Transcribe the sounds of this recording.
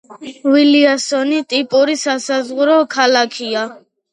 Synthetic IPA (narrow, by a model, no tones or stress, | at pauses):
wiliasɔnit̪ʼipʼuɾisasazʁuɾɔkʰalakʰia